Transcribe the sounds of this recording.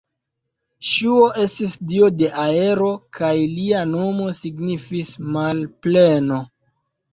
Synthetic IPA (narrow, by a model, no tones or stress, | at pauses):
ʃuo̞ʔe̞stisdio̞de̞ʔae̞ɾo̞kʰajliano̞mo̞siɡnifismalple̞no̞